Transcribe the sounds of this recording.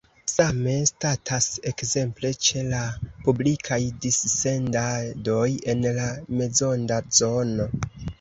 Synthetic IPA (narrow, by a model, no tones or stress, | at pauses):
same̞statʰase̞kze̞mple̞t͡ʃe̞lapublikʰajdisːe̞ndado̞je̞nlame̞zo̞ndazo̞no̞